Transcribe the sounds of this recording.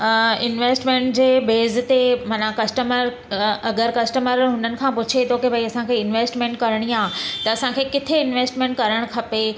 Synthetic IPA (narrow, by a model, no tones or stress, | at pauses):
ɪnʋeːsʈmẽːɳʈd͡ʑeːbeːz̆t̪emanakɐsʈəməɾ | ɐɡəɾkɐsʈəməɾɦʊnənɪ̆kʰãpʊt͡ɕʰet̪ʰokibʱɐiɐsãkʰeɪnʋeːsʈmẽːɳʈ̚kɐɾɽ̃iaːɦt̪ɐɐsãkʰekɪt̪ʰeɪnʋeːsʈmẽːɳʈ̚kɐɾəɽ̃kʰɐpe